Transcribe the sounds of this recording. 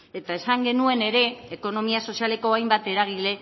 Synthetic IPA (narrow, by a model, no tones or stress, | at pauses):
e̞t̪aesaŋɡe̞nue̞ne̞ɾe̞ːko̞no̞miaso̞siale̞ko̞ajmbat̪e̞ɾaɣ̞ile̞